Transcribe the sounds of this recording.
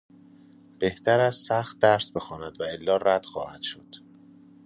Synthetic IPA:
b̥e̞ht̪ʰæɾæzsæxt̪̚d̪æɾsbe̞xɒːnæd̪væelːɒːræd̪̥xɒ̰ːhæd̪̥ʃo̞d̪̥

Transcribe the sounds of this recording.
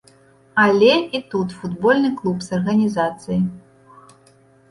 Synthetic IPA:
ɐlʲɛit̪ut̪fud̪bɔlʲnɨklˠupsɐrɣɐnʲizat̪sɨji

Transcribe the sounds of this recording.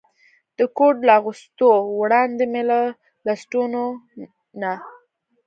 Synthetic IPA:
d̪̥əkoʈlaaɣust̪owɽɑnd̪emela | lasʈuno | na

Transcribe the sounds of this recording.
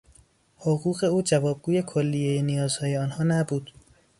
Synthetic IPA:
hoɣuːɣe̞uːd͡ʒævɒːb̚ɡuːje̞kʰolːijejenijɒːzhɒːje̞ɒːnhɒːnæbuːd̪̥

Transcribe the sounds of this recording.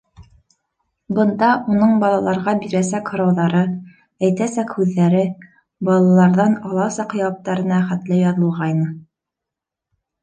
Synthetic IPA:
bɤ̆nd̪ɑunɤɴbɑlˠɑlˠɑɾʁɑbiɾæsækhŏɾɑwðɑɾɤ | æjt̪æsækhʉðːæɾɘ | bɑlˠɑlˠɑɾðɑnɑlˠɑsɑq̆jɑp̚t̪ɑɾɤ̆nɑχæt̪lɘjɑðɤ̆lˠʁɑjnɤ

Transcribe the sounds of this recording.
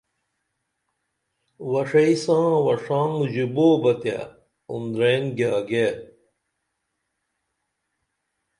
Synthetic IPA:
wɐʂɐisãːwɐʂãːŋɡd͡ʑuboːbɐt̪ja̰ | ṵnd̪ɾenɡaːɡe

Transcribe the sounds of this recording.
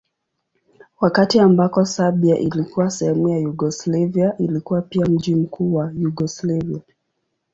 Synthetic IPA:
wakatiambakɔsabiaʔilikuwasɛhɛmujajuɡɔslaviaʔilikuwapiam̩ʄim̩kʰuːwajuɡɔslavia

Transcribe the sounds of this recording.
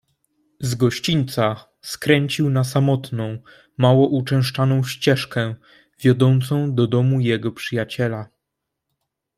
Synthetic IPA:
zɡɔɕt͡ɕiɲt̪sa | skɾɛɲt͡ɕiwnasamɔt̪nɔ̃w̃ | mawɔʔut͡ʂɛ̃w̃ʂt͡ʂanɔ̃w̃ɕt͡ɕɛʂkɛ̃ | vʲjɔd̪ɔnt̪sɔ̃w̃d̪ɔd̪ɔmujɛɡɔpʂɨjat͡ɕɛla

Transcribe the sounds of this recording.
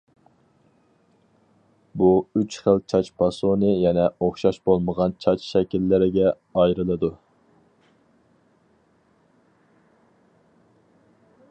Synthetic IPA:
buyt͡ʃχəlt͡ʃʰɑt͡ʃpʰɑsonɨjɛnɛoχʃɑʃbolˠməʁɑnt͡ʃʰɑt͡ʃʃɛkʲilːɪɾɪɡʲɛ | ɑjɾɨlˠɨd̪u

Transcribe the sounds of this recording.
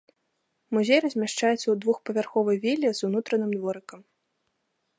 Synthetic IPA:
muzʲejrɐzʲmʲaʂt͡ʂajɛt̪sːɐwd̪vuxpɐvʲarxɔvɐjvʲilʲːizunut̪ɾɐnɨmd̪vɔɾɨkɐm

